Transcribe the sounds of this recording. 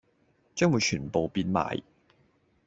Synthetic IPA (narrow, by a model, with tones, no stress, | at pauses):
t͡ʃœː˥ŋwu˨˧jt͡ʃʰyː˨˩npo˨wpiː˧nma̰ː˨˥j